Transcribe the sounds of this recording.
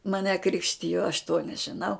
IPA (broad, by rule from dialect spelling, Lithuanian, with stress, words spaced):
mɐˈnʲɛ ˈkrʲɪkʃʲtʲɪjoː ɐʃ toː nʲɛʒʲɪˈnɐʊ